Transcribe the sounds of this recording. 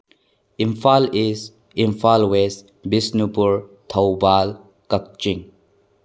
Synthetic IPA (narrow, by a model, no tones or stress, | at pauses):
ĩmfaliz | ĩmfalwes | bisnupuɹt̪ʰabal | kək̚t͡ʃĩŋ